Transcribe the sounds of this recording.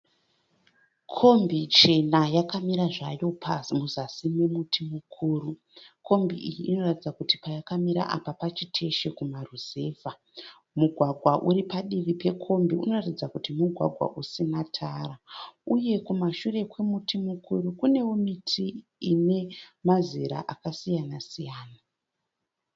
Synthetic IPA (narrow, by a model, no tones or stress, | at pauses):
kʰo̞mbit͡ʃe̞najakamiɾaʐajo̞pʰamuzasimemutʰimukʰuːru | kʰo̞mbiʔijiʔːno̞ratid͡zakuti̥pajakamiɾa̰ʔa̰papat͡ʃitʰe̞ʃe̞kumaruze̞ːva | muɡʱwaɡʱwaʔuɾipaɗiʋipe̞kʰo̞mbiuno̞ratid͡zakutimuɡʱwa̰ɡʱwa̰ʔusinatʰaɾauje̞kumaʃure̞kwe̞mutimukuɾukune̞womitʰiːne̞maziɾa̰ʔakasijanasijaːna